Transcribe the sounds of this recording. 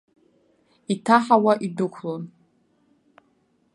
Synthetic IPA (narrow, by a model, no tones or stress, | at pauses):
itʰaħawaʔidɨkʷʰlon